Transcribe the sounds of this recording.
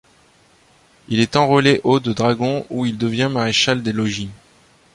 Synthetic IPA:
ilɛt̪ɑ̃ʁɔleʔod̪əd̪ʁaɡɔ̃uild̪əvjɛ̃maʁeʃald̪elɔʒi

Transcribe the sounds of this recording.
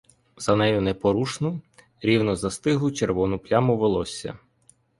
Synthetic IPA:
zɐnɛjʊnɛpɔɾuʃnʊ | ɾʲiwnɔzɐst̪ɪɦʊt͡ʃerʋɔnʊplʲamʊʋelˠɔsʲːɐ̰

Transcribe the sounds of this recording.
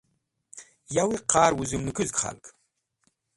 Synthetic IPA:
jaːwiːqɑːrwʊzɨmnɨkʰɨzɡχa̰lkʰʼ

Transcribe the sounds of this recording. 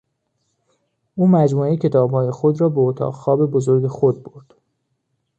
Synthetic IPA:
ʔuːmæd͡ʒmuːecʰe̞t̪ʰɒːbhɒːje̞xod̪ɾɒːbeot̪ʰɒ̰ːʁxɒːbe̞bozoɾɟexod̪̚boɾd̪̥

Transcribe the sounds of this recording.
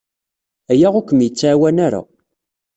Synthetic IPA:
æjaʁʊkʷəmjət͡sːʕːwænaɾa̰

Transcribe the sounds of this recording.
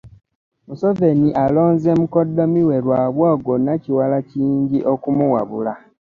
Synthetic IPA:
musove̞niʔalo̞ːnzemukodːo̞miwe̞ɾwaːβwoːɡonaciwalaciːɲɟiʔokumuwaβula

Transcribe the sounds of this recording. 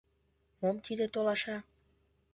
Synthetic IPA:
momt̪id̪ĕt̪olɑʃɑ

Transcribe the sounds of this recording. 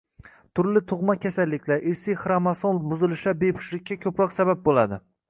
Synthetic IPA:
t̪ʰʊɾlɪt̪ʰʊʁmakʲʰasalːɪkʲlaɾʔɪɾsɪjχɾamasonbʊzɪlɪʃabepʰɪ̥ʃlɪkʲːakʲʰɵpɾɒqsabap̚bolˠad̪ɪ

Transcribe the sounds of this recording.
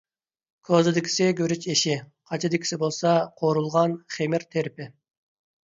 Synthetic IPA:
kʲʰozɪd̪ɪkʲʰi̥sɪɡʲøɾyt͡ʃeʃɪ | qʰɑt͡ʃʰid̪ɪkʲʰi̥sɪbolˠsɑqʰoɾulˠʁɑnχemɪɾt̪ʰeɾpɪ

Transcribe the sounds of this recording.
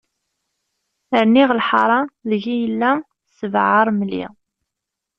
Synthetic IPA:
əɾniʁlħɑ̰ɾˤɑðəʝijəlːæ | səvʕəɾˤmlḭ

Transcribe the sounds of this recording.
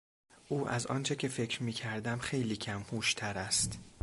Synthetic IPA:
ʔuːʔæzɒ̰ːnt͡ʃʰecʰe̞fe̞cʰɾmiːcʰæɾd̪æmxe̞jliːcʰæmhuːʃt̪ʰæɾæst̪

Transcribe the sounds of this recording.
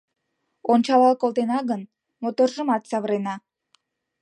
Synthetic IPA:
ont͡ɕɑlɑlˠkolˠt̪enɑɣən | mot̪orʒə̆mɑt̪sɑβəɾenɑ

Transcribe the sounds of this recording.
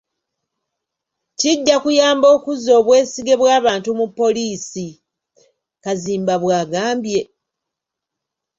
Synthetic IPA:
ciɟːakujaːmbo̞ːkuzo̞ːβwe̞ːsiɡe̞βwaːβaːntumupːo̞liːsi | kaziːmbaβwaːɡaːmbje̞

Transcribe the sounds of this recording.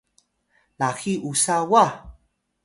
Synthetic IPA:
laxiʔusawa

